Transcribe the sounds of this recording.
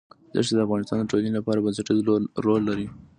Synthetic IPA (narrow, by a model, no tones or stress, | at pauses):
d̪ɑ̰ʂed̪əafɣɑnɪst̪ɑnd̪əʈolənilapɑɾabansɪʈid̪ɾolːaɾi